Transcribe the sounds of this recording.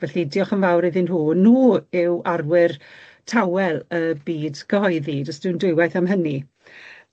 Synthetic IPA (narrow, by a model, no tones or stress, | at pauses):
vɛɬidiɔχənvawɾɪðɪnuːnuːɪwarwɪr | tʰawɛlˠəbiːdɡ̥ʰəɦɔɨðidɔsd̥ɪwndʊɨwajθamɦəni